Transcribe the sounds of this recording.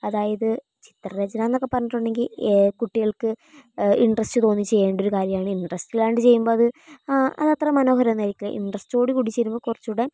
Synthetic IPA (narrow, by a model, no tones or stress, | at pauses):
ɐðaːjɐðɨ | t͡ɕi̥t̪rɐɾed͡ʑɐnaːnːo̞kːepːɐrɐɲːiʈːoɳɖe̞ŋɡilkuʈːiɣɐɭkɨiɳɖrɐstɨt̪o̞ːnːit͡ɕe̞jːeːɳɖo̞ɾukaːɾjɐmaːɳɨiɳɖrɐstiɣɐlaːjɳɖɨt͡ɕe̞jːumbo̞ːɐðɨʔɐ̰ðɐt̪ːrɐmːɐno̞ːɦɐɾɐnɐɾikʲːilɐ̰ʔḭɳɖrɐstoːɽikuɽit͡ɕːeɾumbokurɐt͡ɕːuɽe